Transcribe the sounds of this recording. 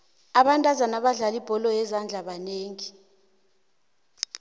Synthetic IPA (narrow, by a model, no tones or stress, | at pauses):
aɓantʼazanaɓaɮalib̥ʱɔlɔjɛzand͡ɮʱaɓaneːŋi